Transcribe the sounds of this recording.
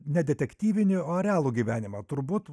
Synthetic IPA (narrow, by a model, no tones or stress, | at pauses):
nʲɛd̪ʲɛt̪ʲɛkʲt̪ʲiːʋʲɪnʲɪoɐɾʲæːlˠuɡʲiːʋʲæːnʲɪmɐt̪ʊɾbuːt̪